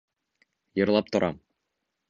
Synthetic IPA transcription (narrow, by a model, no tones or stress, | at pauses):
jɤ̆ɾlˠɑp̚t̪ŏɾʔɑ̰m